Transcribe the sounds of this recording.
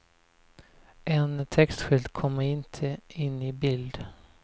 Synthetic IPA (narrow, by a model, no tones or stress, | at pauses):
ʔɛnt̪ʰɛkst̪ɧʏld̪kʰɔmːəɾɪnt̪ʰəɪnːɪbɪld̪